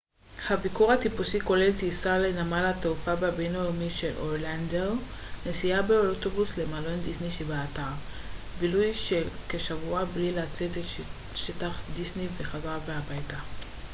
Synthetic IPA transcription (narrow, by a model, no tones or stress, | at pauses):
habikoʁhatipusiko̞le̞ltiːsalenamalateufabeabenajomiʃe̞lʔolandeʁ | nesiabe̞otobusle̞malo̞ndisniʃebaataʁ | bilujʃekeʃavuablilat͡set̪et | ʃetaχdisniveχazʁabeabajta